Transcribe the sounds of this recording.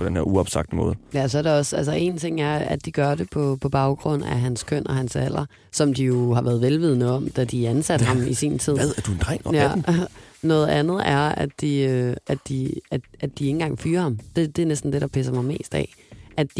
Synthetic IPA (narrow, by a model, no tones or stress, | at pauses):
pd̥enhe̝ɐ̰uɒb̥sɑ̈ɡ̥d̥əmɔ̰̽ːð̞̩ˠjæsɒ̽ɐɾeɒ̽sælsɐʔe̝̰ːnt͡sʰe̝ŋ̰æɐæd̥iɡ̥ɶɐɾe̝pʰɒ̽pʰɒ̽b̥ɑ̈ʊɡ̥ʁɔ̽n̰æɦænskʰøn̰ɒ̽hænsæl̰ɐ | sɒ̽md̥ijo̝hɑ̈ʋʔæːɐðˠʋelʋið̞ˠnəɒ̽md̥æd̥iænsæd̥hɑ̈misḭnt͡sʰiðð̰ˠæɐd̥uen̥ʁɛ̰̥jæ | nɔ̽ːðˠænð̩ˠæɐædd̥iøædd̥iæ̥ædd̥ie̝ŋn̩ɡ̥ɑ̈ŋ̰fyːɐhɑ̈md̥e̝d̥e̝æɐnesd̥n̩d̥e̝ɾ̥ɑ̈pʰæs̬ɐmɑ̈ɪme̝̰ːsd̥ɛ̰ʔædd̥i